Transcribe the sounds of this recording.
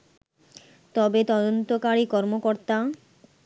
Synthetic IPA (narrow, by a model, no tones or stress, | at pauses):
t̪ɔbet̪ɔd̪ont̪okaɾikɔɾmokoɾt̪a